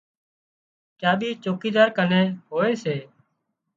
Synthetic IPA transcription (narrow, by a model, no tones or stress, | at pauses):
kjaːbʱiːt͡ʃoːkiːd̪aːɾkənẽːɦoːeːseː